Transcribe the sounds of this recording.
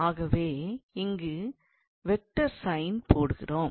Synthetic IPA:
aːɣɐʋeːɪŋɡɯ | ʋɛk̚ʈːɐɾsɐɪnpoːɽɯɣɪ̰roːm

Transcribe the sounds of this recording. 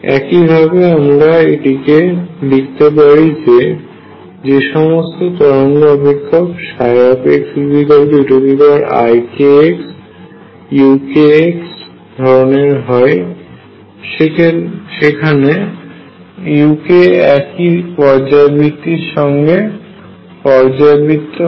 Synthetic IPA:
ɛ̰kibʱabeamɾaeʈikelik̚ʰt̪epaɾid͡ʑe | d͡ʑeʃɔmost̪ot̪ɔɾonɡ̪oɔbʱikʰːobʃajapeksibʱiɡalbuʈobibaɾa̰jkeeks | jukeeks | d̪ʱɔɾoneɾɦɔe | ʃeʃekʰane | jukeɛkipɔɾd͡ʑabit̪iɾʃɔŋɡe | pɔɾd͡ʑabit̪o

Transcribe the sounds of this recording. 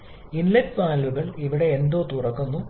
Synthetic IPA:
inlɐtʋaːluɣɐɭiʋiɽe̞ːnd̪o̞ːt̪urɐkːunːu

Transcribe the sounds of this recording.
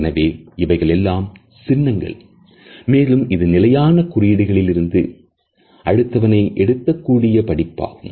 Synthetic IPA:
nɐʋeːɪʋɐɪɣɐɭɛlːaːm | sɪnːɐŋɡɐ̰ɭ | meːlɯmɪðɯnɪlɐjaːnɐkʊrɪjɪɽɪɣɐɭɪlɪɾɯnd̪ɯ | ʔɐɻɯt̪ːɐʋɐnɐɪʔɛɽɯt̪ːɐkːuːɽɪjɐpɐɽɪpːa̰ːɣɯm

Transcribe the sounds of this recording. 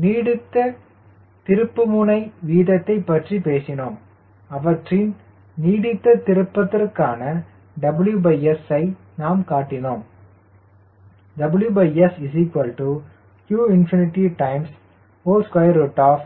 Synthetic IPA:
niːɽɪt̪ːɐ | t̪ɪɾɯpːɯmʊnɐɪʋiːðɐt̪ːɐɪpːɐʈripeːsɪnoːm | ɐʋɐʈrɪn | niːɽɪt̪ːɐt̪ɪɾɯpːɐt̪ːɪrkaːnɐ | ɖɐbɪljubɐɪɛsɐɪ | naːmkaːʈːɪnoːm | ɖɐbljubɐɪɛsɪsiːkʋɐlʈu | kjuːɪnfɪnɪʈːiʈɐɪms | oːskwɐjɐɾoːʈːaːf

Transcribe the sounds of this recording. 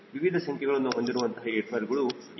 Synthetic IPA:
ʋiʋid̪ʱɐsɐŋkʰɐɡɐɭɐnːuɦo̞nd̪iɾuʋɐnt̪ɐɦaeːʈʰbaɾɡɐɭu

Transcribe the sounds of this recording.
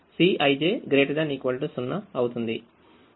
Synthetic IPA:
siːʔɐjd͡ʒeːɡɾeːʈɐd̪ɐniːkʋɐliʈisunːɐɐwut̪und̪i

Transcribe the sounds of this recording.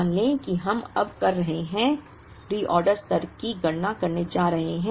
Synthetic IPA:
nlẽkiɦɐmɐ̰bkɐɾːɐɦeɦɛ̃ | ɾiːʔɔːɾɖəɾst̪ɐɾkiɡɐɽnakɐɾned͡ʒaːɾɐɦeɦɛ̃

